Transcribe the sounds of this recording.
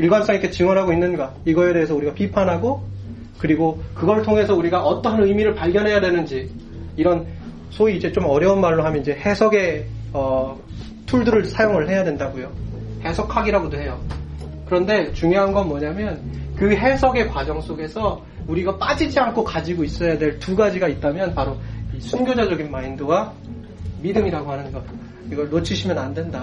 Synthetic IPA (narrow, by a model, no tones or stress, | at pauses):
iɭɡwans͈ʌŋikʰet͡ɕɯŋwʌnɦaɡoinːɯnɡa | iɡʌe̞deːsʰʌuɾiɡapipʰanɦaɡo | kɯɾiɡokɯɡʌɾɭtʰoŋɦe̞sʰʌuɾiɡaʔʌt͈ʌnɯmiɾɯɭpaɭɡjʌnɦe̞jadwe̞nɯnd͡ʑi | iɾʌn | sʰoiːd͡ʑet͡ɕomʌɾjʌunmaɭːoɦamjʌnid͡ʑe̞he̞sʰʌɡe̞ʌ | tʰuɭdɯɾɯɭsʰajoŋɯɭɦe̞jadwendaɡojohe̞sʰʌkʰaɡiɾaɡodoɦe̞jo | kɯɾʌnde̞t͡ɕuŋjoɦanɡʌnmwʌɲamjʌnkɯɦe̞sʰʌɡe̞kwad͡ʑʌŋs͈ʰoɡe̞sʰʌ | uɾiɡap͈ad͡ʑid͡ʑiankʰokad͡ʑiɡois͈ʌjadwe̞ɭtuɡad͡ʑiɡait̚t͈amjʌnpaɾoisʰunɡjod͡ʑad͡ʑʌɡinmaindoɡa | midɯmiɾaɡohanɯnɡʌ | iɡʌɭnot͡ɕʰiɕʰimjʌnandwe̞nda